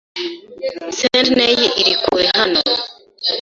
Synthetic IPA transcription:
sendnejiʔiɾikuwehano

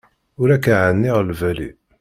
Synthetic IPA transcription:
ʊɾækːæʕənːiʁlvælḭ

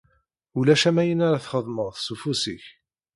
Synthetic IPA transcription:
ulæʃæmæjənaɾaθχəðˤməʁˤθsufusiç

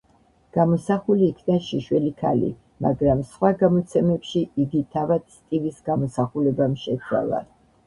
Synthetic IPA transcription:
ɡ̥amɔsaχuliːkʰnaʃiʃwɛlikʰa̰lḭ | ma̰ɡɾamsχwaɡamɔt̪sʰɛmɛpʃiiɡit̪ʰavad̪̥st̪ʼivisɡamɔsaχulɛbamʃɛt̪sʰwa̰la̰

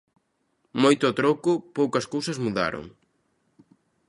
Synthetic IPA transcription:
mojt̪ʊɔt̪ɾokʊpowkɐskowsɐzmuða̰ɾo̰ŋ

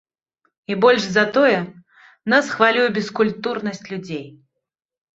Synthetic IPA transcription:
ibɔlʲʂzat̪ɔjɛ | nasxvalʲujɛbʲɛskulʲt̪uɾnɐsʲt͡sʲlʲud͡zʲej

